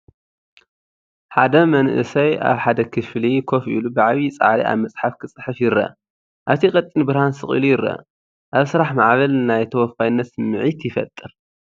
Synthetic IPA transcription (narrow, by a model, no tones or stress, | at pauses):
ħad̪ɐmɐnʔɨ̰sɐja̰βħad̪ɐkʰɨflikʰo̞fʔḭlubɨʕaβit͡sʼa̰ʕɾiʔa̰βmɐt͡sʼħafkʰɨt͡sʼɨħɨfjɪɾɐ̰ | ʔaβt̪ʰikʼɐt̪ʼːinbɨɾhansɨχʼḭlujɪɾːɐ̰ | ʔaβsɨɾaħmaʕβɐlnajt̪ʰɐwɔfkajnːɐt̪sɨmːɨʕit̪jɪfɐ̰t̪ʼːɨɾ